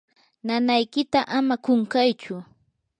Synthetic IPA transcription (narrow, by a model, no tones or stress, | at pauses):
nanajkɪt̪aʔamakʊŋkajt͡ʃʊ